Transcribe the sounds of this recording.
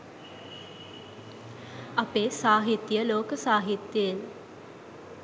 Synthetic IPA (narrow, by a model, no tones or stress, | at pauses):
ɐpeːsaːɦit̪ːjəloːkəsaːɦit̪jəəl